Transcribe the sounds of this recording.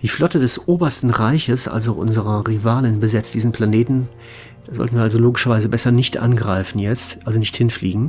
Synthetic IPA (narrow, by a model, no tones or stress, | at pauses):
d̥iːflɔtədɛsʔoːbɐstn̩ʁaɪçəsʔa̰lzoʔʊ̰nzəʁɐʁivaːlənbəzɛt͡std̥iːzn̩pʰl̥aneːtn̩ | d̥aːzɔ̰ltnviːɐalzoloːɡɪʃɐvaɪzəbɛsɐnɪçtʔa̰nɡʁaɪfn̩jɛt͡stʔalzonɪçthɪnfliːɡŋ̩